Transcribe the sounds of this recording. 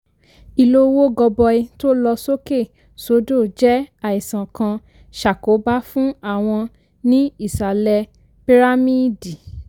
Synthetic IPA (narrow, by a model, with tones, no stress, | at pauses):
i˨lo˦wo˦ɡɔ˧bɔ˧i˧to˦lɔ˧so˦ke˦˨ | so˨˦do˦˨d͡ʒɛ˦a˨i˨sã˨kã˧ | ʃa˨ko˨˦ba˦fũ˦a˦˨w̃ɔ̃˧ | nĩ˦i˦˨sa˨lɛ˧ | pi˦ɾa˦mĩ˦di˨